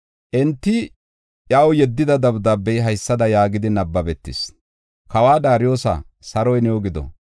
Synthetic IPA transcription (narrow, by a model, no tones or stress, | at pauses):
ʔɪnt̪ːɪ | ʔjaːwjɛd̪ːɪd̪ɐd̪ɐbd̪ɐbːɛjɦɐjsːɐd̪ɐjaːɡɪd̪ɪnɐbːɐbɛt̪ːɪ̰s | kɐwaːd̪aːɾɪjo̞ːsɐ̰ | sɐɾɔjnɛwɔɡɪd̪ɔ̰